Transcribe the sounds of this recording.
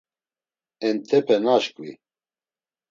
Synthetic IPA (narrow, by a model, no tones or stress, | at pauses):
ɛnt̪ʰɛpʰɛnaʃkwḭ